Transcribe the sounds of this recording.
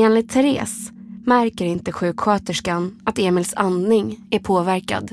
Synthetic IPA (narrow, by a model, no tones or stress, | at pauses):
eːnlɪt̪ʰːɛɾḛːs | mæɾkəɾɪnt̪əɧʉ̟ːkɧøːt̪əʂkanat̪eːmɪlsannɪŋæɾpʰoːvæɾka̰d̪